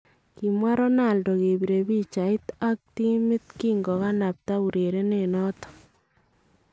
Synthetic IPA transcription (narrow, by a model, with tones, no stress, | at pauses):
ki˨mwa˦ɾɔ˦na˨ldo˨ke˨biɾe˨bi˦t͡ʃa˨i˦ta˦k̚ti˦mɪ˦t̪ki˦ŋɡɔ˨ka˦na˨p̚ta˦u˨ɾe˨ɾe˦nenɔ˦tɔ̥